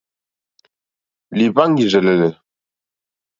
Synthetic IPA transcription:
li˨pa˦ŋ˦ɡi˨ʒɛ˨lɛ˨lɛ˨

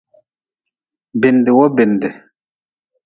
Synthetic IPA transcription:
be˨nde˨wɔ˦be˨ndɛ˨

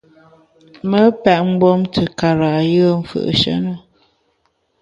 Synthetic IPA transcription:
mə˦pɛ˨ʔm̩˦bɔ˦mtʰə˨ka˨ɾa˨jə˦m̩˨fə̰˨ʔʃə̰˦nə˦˨

